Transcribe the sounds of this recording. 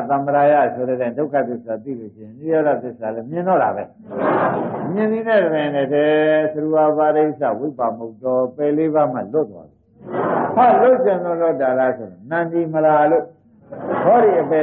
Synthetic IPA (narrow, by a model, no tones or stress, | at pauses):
t̪ãməɾaja̰sʰoɾɛdãndoʊkʰa̰t̪ɪsat̪ḭlo̰ʃɪ̰̃ɪ̃nijɔɾat̪ɪsalɛmjɪ̃ndɔɾa̰βɛ | mjɪ̃nd̪ðinɛdəbãnɛtʰɛsəɾuabaɾesa̰wepamot̪ɔpɛleβam̥a̰lʊt̪ːwa̰duhalʊʔ̚ɕʰɪ̃nɔlʊtːalasʰoɪ̰̃nãnd̪iməlalo | bɔdiʔəpɛ